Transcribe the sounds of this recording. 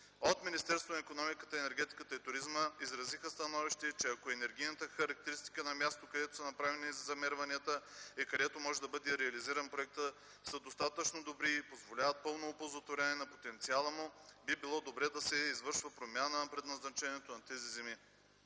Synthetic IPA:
ot̪minist̪ɛɾst̪vonɐikonɔmikət̪əɛnɛɾɡʲɛt̪i̥kət̪əit̪ʊɾizməizɾɐzixəst̪ɐnɔviʃt̪ɛt͡ʃɛɐkoɛnɛɾɡʲijnət̪əxɐɾɐk̚t̪ɛɾist̪i̥kənɐmʲjast̪okɐd̪ɛt̪o̥sɐnɐpɾavɛnizzɐmɛɾvɐniət̪əikɐd̪ɛt̪omɔʒɛd̪ɐbɤd̪ɛɾɛɐliziɾɐnpɾoɛk̚t̪ə | səd̪ost̪at̪ət͡ʃnod̪obɾipozvolʲavət̪̚pɤlˠnoːpozət̪voɾʲaniɛnɐpot̪ɛnt̪sialˠəmʊbibilˠɔd̪obɾɛd̪ɐsɛizvɤɾʃvəpɾomʲjanəpɾɛd̪nɐznɐt͡ʃɛniɛt̪onɐt̪ɛzizɛmi

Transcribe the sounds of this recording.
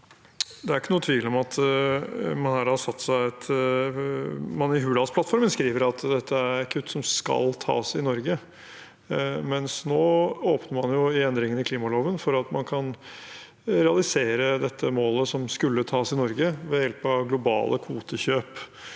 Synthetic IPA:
d̪ɛæɾɪkːənuːət̪ʰʋiːlɔmɑt̪ | mɑnhɑɾhɑɾsɑt̪ːsæɪɛt̪ | mɑnɪɦʉːlɑspʰlɑt̪fɔɾmənskɾiːʋəɾɑt̪d̪ɛt̪ʰːəæɾkʰʉt̪ːsɔmskɑ̰lt̪ʰɑ̰ːsɪnɔɾɡə | mɛnsnoːoːpnəɾmɑnjʊɪɛnd̪ɾɪŋənɪkʰliːmɑloːʋənfɔɾɑt̪mɑnkʰɑn | ɾɛɑlɪseːɾəd̪ɛt̪ʰːəmoːləsɔmskʉlːət̪ʰɑːsɪnɔɾɡəʋɛjɛlpɑɡlʊbɑ̰ːlʔəkʰuːt̪əçøːp

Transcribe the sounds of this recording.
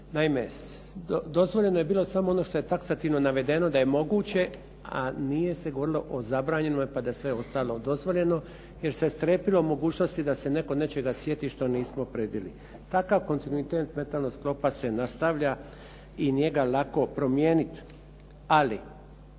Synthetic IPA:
naimeod̪o̞zʋoʎe̞noje̞biːlˠo̞samoono̞ʃt̪o̞je̞t̪aksat̪iʋno̞naʋe̞d̪e̞no̞d̪aje̞mo̞ɡuːt͡ɕe̞ | a̰nije̞se̞ɡo̞ʋo̞ɾilo̞ʔozabɾaːɲe̞nomjpad̪ajesʋe̞o̞st̪alo̞d̪o̞zʋo̞ʎe̞no̞ | je̞ɾsest̪ɾepilo̞mo̞ɡuːt͡ɕno̞st̪id̪ase̞ne̞ko̞net͡ɕe̞ɡasʋje̞t̪iʃt̪o̞niːsmo̞pɾebilḭ | t̪akaʋko̞nt̪inuit̪eːt̪me̞nt̪alnosklo̞pasenast̪aʋʎa | injeɡalako̞pɾo̞mjeːnit̪ | ali

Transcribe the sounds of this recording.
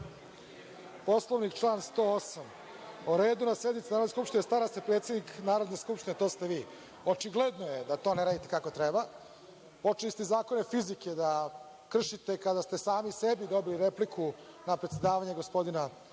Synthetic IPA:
po̞slˠoʋnikt͡ʃlˠaːnst̪oːosam | uɾe̞ːd̪unased̪nit̪sinaɾd̪eskupʃt̪inest̪aːɾast̪epɾe̞ːt̪se̞d̪niknaːɾo̞d̪neskupʃt̪inet̪o̞ːst̪eʋiː | ot͡ʃiɡled̪no̞je̞d̪at̪o̞ːneɾaːd̪it̪ekako̞t̪ɾeba | po̞t͡ʂilist̪ezaːko̞ne̞fizike̞d̪a | kr̩ʃit̪e̞kad̪ast̪e̞saːmisebid̪o̞biliɾeplikʰu | napɾet̪sjed̪aːʋaɲeɡospo̞d̪ina

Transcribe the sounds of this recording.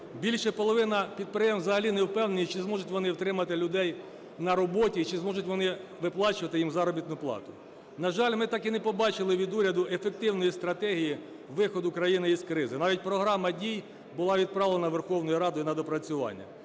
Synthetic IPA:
bʲilʲʃɛpɔlˠɔʋɪnɐpʲid̪̚pɾɪjɛmzɐɦɐlʲinɛwpɛwnenʲit͡ʃɪzmɔʒʊtʲʋɔnɪwt̪ɾɪmɐt̪ɪlʲʊd̪ɛj | nɐɾɔbɔtʲiːt͡ʃɪzmɔʒʊtʲʋɔnɪʋɪplˠɑt͡ʃʊʋɐt̪ɪjimzɑɾɔbʲit̪nʊplˠɑ̰t̪ʊ̥ | nɐʒɑlʲmɪt̪ɑkinɛpɔbɑt͡ʃɪlˠɪʋʲid̪uɾʲɐd̪ʊʔefek̚t̪ɪwnɔjist̪ɾɐt̪ɛɦʲiji | ʋɪxɔd̪ʊkɾɐjinɪiskɾɪzɪnɑʋʲit̚ʲpɾɔɦɾɑmɐdʲij | bʊlˠɑʋʲid̪̚pɾɑʋlˠenɐʋerxɔwnɔjuɾɑd̪ʊjinɐd̪ɔpɾɐt͡sʲʊʋɑ̰nʲːɐ̰

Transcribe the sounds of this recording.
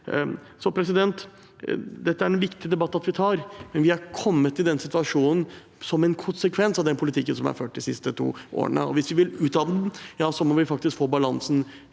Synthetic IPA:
sɔpʰɾɛsɪd̪ɛnt̪ | d̪ɛt̪ːəæɾɛnʋɪkt̪ɪəd̪ɛbɑt̪ːɑt̪ʋɪt̪ʰɑːɾmɛnʋɪhæɾkʰɔmːət̪ːɪd̪ɛnsɪt̪ʉɑʂuːnn̩ | sɔmɛnkʰʊnsəkʰʋɛnsɑʋd̪ɛnpʰʊlɪt̪ʰɪkːənsɔmæ̰ɾføːʈ̚d̪ɪsɪst̪ət̪ʰṵːʔo̰ːə̰ɳə̰ɔ̰ʋɪsʋɪʋɪlʉːt̪d̪ɑn̩jɑːsɔmɔʋɪfɑk̚t̪ɪskfoːbɑlɑnsn̩

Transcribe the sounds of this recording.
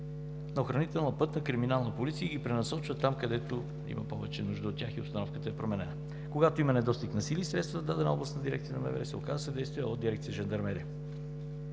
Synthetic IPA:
nɐoxɾɐnit̪ɛlˠnəpɤt̪nəkɾiminalˠnəpolit̪sijəɡipɾɛnɐsɔt͡ʃvət̪amkɐd̪ɛt̪o | ḭmɐ̰pɔvɛt͡ʃɛnuʒd̪əot̪t̪ʲːjaxio̰st̪ɐnɔfkət̪əɛpɾomɛnɛnə | koɡat̪oimɐnɛd̪ɔst̪iknɐsiliːsɾɛt̪st̪vət̪əd̪ad̪ɛnəɔblˠəst̪əd̪iɾɛkt̪sijənɐmɛ̰vɛ̰ɾɛsɛokazəsɛd̪ɛjst̪vijəod̪d̪iɾɛkt̪sijəʒɛnd̪ɐɾmɛɾi

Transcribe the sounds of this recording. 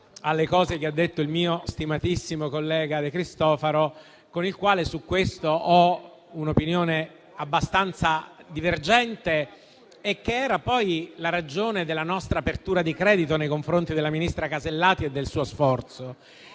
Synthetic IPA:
alːekɔːzekead̪ːet̪ːoilmiːost̪imat̪isːimokolːɛːɡad̪ekɾist̪ɔːfaɾo | konilkwaːlesukːwest̪oʔɔ | unopinjoːne | abːast̪ant̪sad̪iverd͡ʒɛnt̪e | ekːeɛːɾapɔjlaɾad͡ʒoːned̪elːanɔst̪ɾaːpert̪uːɾad̪ikɾɛːd̪it̪onejkoɱfɾont̪id̪elːaminist̪ɾakazelːaːt̪ied̪ːelsuːosfɔrt̪so

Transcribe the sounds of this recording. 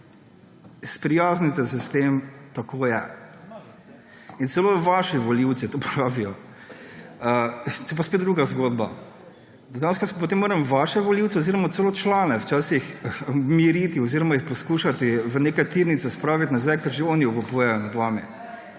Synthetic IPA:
spɾijaːznit̪ɛsɛst̪eːmt̪akʰoːjɛ | int̪sɛloːʋaʃiʋɔliwt̪sit̪oːpʰɾaːʋijɔ | ət̪jɛp̬aspeːt̪d̪ɾuɡazɡoːd̪ba | d̪ɐjanskasop̬ɔt̪eːmːoːɾɛmʋaʃɛʋɔliwt̪sɛɔziɾɔmat̪sɛloːt͡ʃlaːnɛwt͡ʃaːsixmiɾit̪iɔziɾɔmajixpɔskuːʃat̪iʋəneːkat̪iɾnit̪sɛspɾaːʋit̪nazajkɐɾʒeɔːniɔkupujɛjɔnad̪ʋaːmḭ

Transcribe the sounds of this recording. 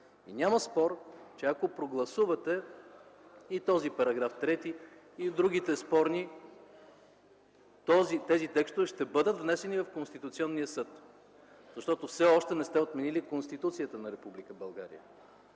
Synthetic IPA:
ḭnʲamɐspɔɾt͡ʃɛɐkopɾoɡlˠɐsuvɐt̪ɛ | it̪ɔzipɐɾɐɡɾaft̪ɾɛt̪iː | d̪ɾuɡ̟it̪ɛspɔɾni | t̪ɔzit̪ɛzit̪ɛkst̪ovɛʃt̪ɛbɤd̪ət̪vnɛsɛnivɐfkonst̪it̪ʊt̪siɔnːijəsɤt̪ | zɐʃt̪ɔt̪ofsɛɔʃt̪ɛnɛst̪ɛot̪mɛnilikonst̪it̪ut̪siət̪ənɐɾɛpublikəbɐlˠɡa̰ɾḭə̰

